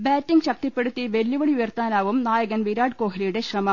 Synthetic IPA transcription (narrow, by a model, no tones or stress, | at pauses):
baːtːiŋɡɕɐk̚t̪ipːe̞ɽut̪ːiʋelːuʋɐɽiujɐrt̪aːnaːʋumnaːjɐɣɐnʋiɾaːɖko̞ːɦɐlijuɽe̞ɕrɐmɐm